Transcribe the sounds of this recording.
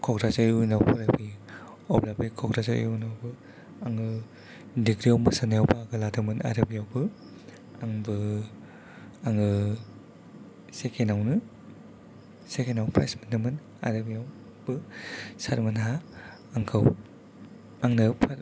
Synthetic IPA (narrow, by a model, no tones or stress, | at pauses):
kʰɔɡɾazaunawpʰɯɾabi | ɔblabikʰɔɡɾazaɾ̰junawbɯ | aŋɯ | diɡɾiawmɯsanajawbaɡɯladɯmɯna̰ɾɐbijawbɯ | aŋbɯ | aŋɯ | sekʰenawnɯ | sekʰenawpʰɾa̰jsminɯmɯn | a̰ɾɯbijaw | b̥ɯsaɾmɯnɦa | aŋkʰɯw | aŋnɯpʰaɾ